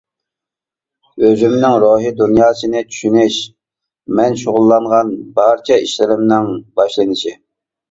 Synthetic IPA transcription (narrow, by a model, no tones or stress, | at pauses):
øzymnɪŋɾoɦɨd̪unjɑːsɨnɪt͡ʃ̪ʰy̥ʃynɪʃ | mɛnʃoʁʊlˠːɑɴʁɑnbɑɾt͡ʃʰɛiʃlɪɾɪmnɪŋbɑʃlˠɨnɪʃi